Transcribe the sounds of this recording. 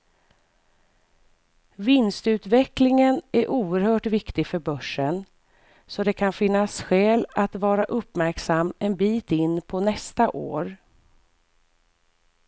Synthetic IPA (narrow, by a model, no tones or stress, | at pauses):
vɪnst̪ʉ̟ːt̪vɛklɪŋənæɾʔuːəɾhœːʈvɪkt̪ɪɡfœɾbœʂən | sɔd̪ɛkʰanfɪnːasɧɛːlat̪vɑːɾaʔɵpːmæɾksamːɛnbiːt̪ɪnːpʰɔnɛst̪aʔo̰ːɾ